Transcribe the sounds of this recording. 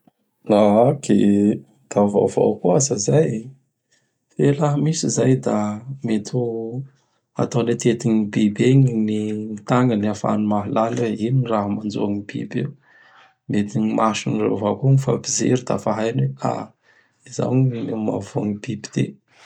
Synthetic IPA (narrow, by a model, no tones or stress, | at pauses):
ake | d̪̥ava̰vo̰kuazazaj | felaɦəmisizajd̪amet̪ʰu | a̰t̪awlet̪et̪iɲibebeɲiniit̪aŋɡəniafa̰numaɦilanweinraɦəmand͡ʒṵaŋib̥ḭbe | met̪iɲimaʃinro̰vakunifa̰bizḛɾid̪a̰faɦajnwea̰ | iza̰wma̰vuŋibibi̥d̪̥ḛ